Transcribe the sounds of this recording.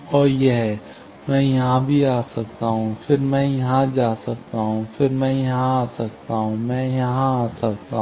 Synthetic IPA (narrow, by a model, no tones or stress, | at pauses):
ɔːɾjeɦɛː | mɛ̃ːjɐɦãbʱiaːsɐk̚t̪aːɦũfɪɾmɛ̃ːjɐɦãd͡ʒaːsɐk̚t̪aɦũfɪɾmɛ̃ːjɐɦɦãaːsɐk̚t̪aɦũmɛ̃ːjɐɦãaːsɐkt̪aɦ